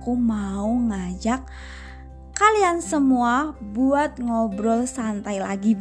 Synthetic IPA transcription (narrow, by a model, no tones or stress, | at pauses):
kumauŋad͡ʒak̚ː | aliansəmuabuat̪̚ŋɔbɾɔlsant̪ajlaɡib